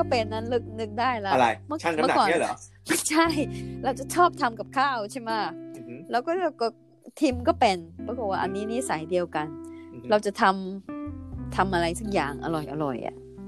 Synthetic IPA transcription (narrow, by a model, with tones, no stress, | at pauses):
kɔː˥˩pe˧nːa˧˥nlɯ˦˥k̚nɯ˦˥k̚daː˥˩jla˦˧ɾa˧jmɯ˥˩a˥˩˧m˥˩˨a˨˩ɔː˨˩˥ɔ̰˨˦ | ma˥˩t͡ɕʰa˥˩jɾa˧wt͡ɕa˨˩t͡ɕʰɔː˥˩p̚t̪ʰa˧mka˨˩p̚kʰaː˥˩wt͡ɕʰa˥˩ma˦˥lɛː˦˥wkɔː˥˩kɔ˧˩ | t̪ʰiː˧mkɔː˥˩pe˧npɾa˧ko˨˩t̚waː˥˩ʔa˧nːiː˦˥ni˦˥˨sa˨˩˦jdi˧əwka˧nɾa˧wt͡ɕa˨˩t̪ʰa˧m | t̪ʰa˧mʔa˧ɾa˧jsa˦˥k̚ja̰ː˨˩ŋʔa̰˧ɾɔ˨˩jʔa̰˧ɾɔ̰˨˩jʔa̰˨˩ʔ